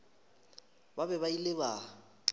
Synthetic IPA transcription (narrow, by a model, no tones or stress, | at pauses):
babɛbailɪba